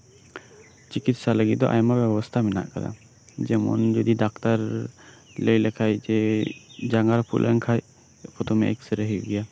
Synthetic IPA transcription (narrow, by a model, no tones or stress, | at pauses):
t͡ʃikit̪saləɡit̪̚d̪ɔ̰ʔajmabjɛbɔst̪ʰamɛna̰ʔkad̪a̰ | d͡ʒɛmɔ̰nd͡ʒɔd̪idak̚t̪aɾ | ləjlɛkʰajd͡ʒɛ | d͡ʒaŋɡaɾpʰṵlʔɛŋkʰaj | pʰɔt̪ʰɔmɛ̰ʔɛ̰k̚səɾəɦiɡɛja